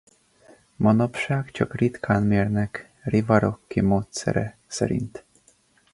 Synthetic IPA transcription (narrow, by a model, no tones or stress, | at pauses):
mɒnɒpʃaːkt͡ʃɒkrit̪kʰaːnmeːrnɛk | rivɒɾokːimoːt̪sɛ̰ɾɛsɛ̰ɾḭnt̪